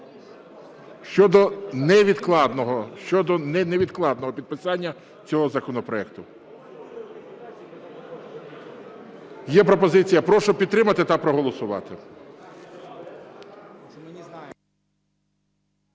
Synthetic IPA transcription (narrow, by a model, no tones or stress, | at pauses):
ʃt͡ʃɔd̪ɔnɛʋʲid̪klˠɑd̪nɔɦɔʃt͡ʃɔd̪ɔnɛnɛʋʲid̪klˠɑd̪nɔɦɔpʲid̪̚pɪsɑnʲːɐ | t͡sʲɔɦɔzɐkɔnɔpɾɔɛkt̪ʊ | jɛpɾɔpɔzɪt͡sʲijɐpɾɔʃɔpʲid̪t̪ːɾɪmɐt̪ɪt̪ɐpɾɔɦɔlˠɔsʊʋɑ̰t̪ɪ